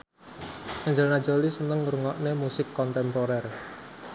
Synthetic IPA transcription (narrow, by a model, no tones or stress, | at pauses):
kaɲd͡ʒəlnad̥d͡ʒɔlisənəŋuɾəŋɔʔnemusɪkːɔnt̪ɛmpoɾɛr